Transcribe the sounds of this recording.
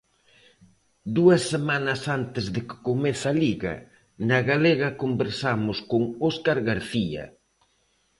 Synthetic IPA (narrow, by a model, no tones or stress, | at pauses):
d̪uɐsːemanɐsant̪ɪzðɪkɪ̥komeθaliɣɐ̰ | nɐɣaleɣɐkombeɾsamʊskoŋɔskaɾɣaɾθiɐ̰